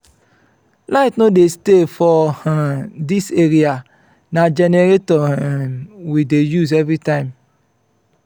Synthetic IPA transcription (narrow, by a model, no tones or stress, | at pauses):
laɪtnodestefɔhadiseɾia | nad͡ʒeneɾetɔhwidejuzevɾitãɪ̃m